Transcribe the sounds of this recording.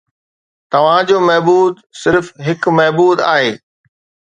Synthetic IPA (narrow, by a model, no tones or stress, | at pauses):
t̪ɐʋ̤ãd͡ʑoːmɛɦbuːd̪sɪɾfɦɪkmɛɦbuːd̪a̰ːɦeː